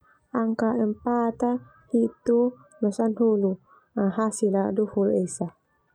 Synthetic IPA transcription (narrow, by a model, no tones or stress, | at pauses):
ʔaŋkaʔəmpat̪a | hit̪u | nɔsanɦulu | aɦasiladuhulesa